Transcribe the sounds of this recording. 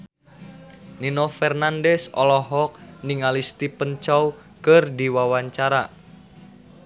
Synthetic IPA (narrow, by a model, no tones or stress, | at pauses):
ninɔfɛrnandɛsɔ̰lɔɦɔk̚niŋalist̪ipənt͡ʃɔw | kərdiwawaɲt͡ʃaɾa